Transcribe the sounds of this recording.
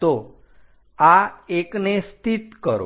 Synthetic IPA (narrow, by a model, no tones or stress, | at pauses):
o | aeknest̪ʰit̪kəɾo̰